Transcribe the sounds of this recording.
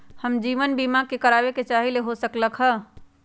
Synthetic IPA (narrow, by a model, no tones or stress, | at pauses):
həmd͡ʒiːʋənbimakekəɾaːbeket͡ʃaːɦileɦosəkləkɦə